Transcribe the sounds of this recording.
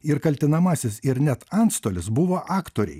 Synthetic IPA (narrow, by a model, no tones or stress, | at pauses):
ɪɾkɐlʲt̪ʲɪnɐmɑːsʲɪsɪɾnʲɛt̪ɐnt̪st̪oːlʲɪsbʊʋoːʔɑːkt̪oːɾʲɛ̰ɪ